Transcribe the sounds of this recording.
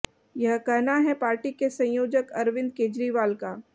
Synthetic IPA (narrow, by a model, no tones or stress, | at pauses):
jɐɦkɛɦnaɦɛpaːɾʈikesɐ̃j̃joːd͡ʒəkɐɾʋɪ̃nd̪̚keːd͡ʒɾiʋaːlkaː